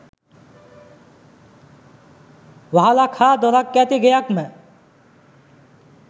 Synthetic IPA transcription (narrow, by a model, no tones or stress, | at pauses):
wəɦalakʰad̪ɔɾakːɛt̪iɡəjakme